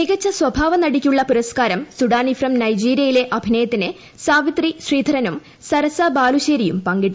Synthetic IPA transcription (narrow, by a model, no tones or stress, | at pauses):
niɣɐt͡ɕːɐswɐbʱaːʋɐnɐɽikʲːuɭːɐpuɾɐskaːɾɐmsuɽaːnifrɐmnɐjd͡ʑiːɾijɐjile̞ʔɐbʱinɐjɐt̪ːinɨ | saːʋit̪riɕriːd̪ʱɐɾɐnum | sɐɾɐsɐbaːluɕeːɾijumpɐŋɡiʈːu